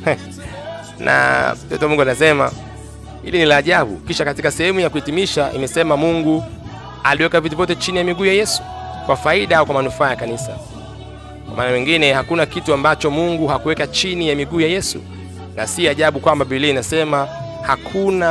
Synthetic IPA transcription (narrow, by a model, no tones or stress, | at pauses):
nʔa̰m̩tɔ̰tɔmuŋɡuanasɛma̰ | hilinilaːʄaɓṵkiʃakatikasɛhɛmujakuhitimiʃaʔḭmɛsɛmamuŋɡu | aliwɛkavituvjɔtɛt͡ʃinijamiɡuːjajɛsu̥kwafaiɗaaɔkwamanufaːjakanisa̰ | kwamaːnawiŋɡinɛhakunakituambat͡ʃɔmuŋɡuhakuwɛkat͡ʃinijamiɠuːjajɛsṵ | nasiaʄaɓukwambaɓiliinasɛmahakʰuna